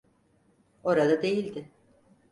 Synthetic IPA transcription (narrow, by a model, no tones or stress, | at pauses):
o̞ɾad̪ad̪e̞jilʲd̪ɪ